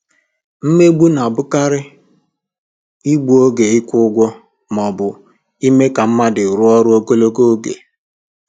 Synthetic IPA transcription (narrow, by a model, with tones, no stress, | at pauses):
m̩˦me˦ɡ͡bu˦na˨bʊ˦ka˦ɾɪ˦ | i˦ɡ͡bu˨o˦ɡe˨ɪ˦kʷʊ˦ɡʷɔ˦ | m˨ɔ˨bʊ˨ | i˦me˦ka˨m̩˦ma˦dɪ˨ɾʊ˦ɔ˦ɾʊ˦o˦ko˦lo˦ko˦ɡḛ˨